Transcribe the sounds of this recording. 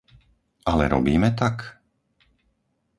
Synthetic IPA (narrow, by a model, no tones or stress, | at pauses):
ʔalɛ̰ɾɔ̰biːmɛt̪ak